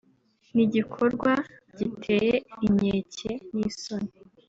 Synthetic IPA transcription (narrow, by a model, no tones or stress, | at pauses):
niɟikʰo̞ɾɡwaɟitʰe̞ːjeimɲeːcenisone